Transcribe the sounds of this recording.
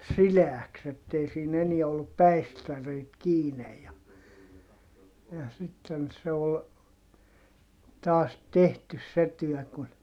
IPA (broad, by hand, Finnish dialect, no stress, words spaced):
sileæks etːei siːn eniɛ olːup pæistæreit kiːnej jɑ jɑ sitːen se ol tɑːs tehtys se tyœˑ kun